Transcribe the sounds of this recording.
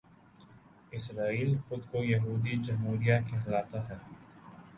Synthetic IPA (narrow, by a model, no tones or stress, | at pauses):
ɪsɾaːiːlxʊd̪kojɐɦuːd̪id͡ʒɐmɦuːɾijakeɦɐlaːt̪aɦɛː